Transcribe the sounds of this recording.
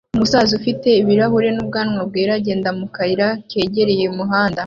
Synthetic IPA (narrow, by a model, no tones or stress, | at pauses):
umusaːzufite̞iβiɾaɦuɾe̞nub̚ɡaːnŋwab̚ɡeːɾaɟe̞ːndamukaiɾake̞ːɟe̞ɾe̞je̞umuɦaːnda